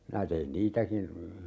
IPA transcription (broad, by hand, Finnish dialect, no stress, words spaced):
minæ tein niːtækin